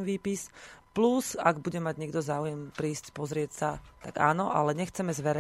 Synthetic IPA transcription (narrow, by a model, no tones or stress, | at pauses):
ʋiːpisplusaɡbuɟɛmaɟɲɛɡd̪ɔzaːujɛmpɾiːscpɔzɾɪɛcsat̪aɡa̰ːnɔʔa̰lɛɲɛxt͡sɛmɛzʋɛɾɛ